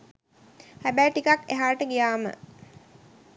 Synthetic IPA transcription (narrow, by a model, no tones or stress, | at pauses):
hæbæjʈikakeɦaːʈəɡijaːmə̰